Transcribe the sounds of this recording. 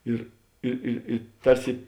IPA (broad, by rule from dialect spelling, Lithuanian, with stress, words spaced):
ˈɪr ɪ ɪ ɪ ˈtɐrʲsʲɪ